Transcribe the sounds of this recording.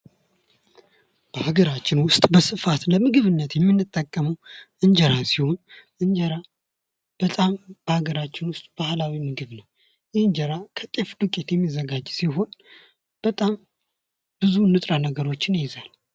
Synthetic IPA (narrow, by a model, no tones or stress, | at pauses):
b̥əhaɡəɾat͡ʃːɪnwʊst̪ʼbəsɨfat̪ləmɨɡɨβɨnːət̪jɛmːɨnːɨt̪ʼːəkʼːəməwʔɨɲd͡ʒəɾasiho̞nʔɨnd͡ʒəɾa | b̥ət̪ʼamb̥əhaɡəɾat͡ʃːɪnwʊst̪ʼb̥ahlawimɨɡɨβnəw | jɪhɨnd͡ʒəɾakʰət̪ʼe̞fd̪ɨkʼet̪jɛmːizəɡad͡ʒsiɦo̞n | b̥ət̪ʼam | b̥ɨzunːɨt̪ʼɾanəɡəɾo̞t͡ʃːɪnjɪzal